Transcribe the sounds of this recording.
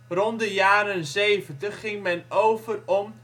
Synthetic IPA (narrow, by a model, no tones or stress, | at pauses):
rɔndəjaːɾənzejvəntəχːɪŋmɛnowvərɔm